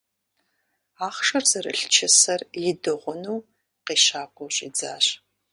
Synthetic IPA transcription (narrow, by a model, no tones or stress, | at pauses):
aːχʂɐrzɐrɨ̰ɬt͡ʃʰɪsɐrjɪdɨʁʷʊnuː | qiːʃaːkʷʼɔwɕʼid͡za̰ːɕ